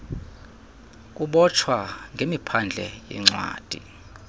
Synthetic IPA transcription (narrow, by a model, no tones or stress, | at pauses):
k̬ʼuɓɔt͡ʃʰwaŋɡʱemipʰand͡ɮʱɛjɛ̰ŋ͡ǀwa̰ːd̥ʱi